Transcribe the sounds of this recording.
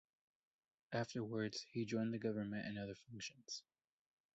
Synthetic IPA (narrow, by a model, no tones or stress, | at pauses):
ʔæftə˞wə˞dz̥hid͡ʒɔ̃ɪ̃nðɨɡʌvə˞mɨ̃ntɨ̰̃nʌðə˞fʌ̃ŋkʃɨ̃nz̥